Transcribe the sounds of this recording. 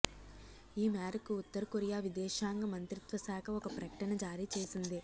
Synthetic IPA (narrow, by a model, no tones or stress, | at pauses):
iːmaːɾɐkuːt̪ːɐɾɐkoɾijaːʋid̪ɛːʃaːŋɡɐmɐnt̪ɾit̪ʋɐsaːkʰɐɔkɐpɾɐkɐʈɐnɐd͡ʒaːɾiːt͡ʃeːsind̪i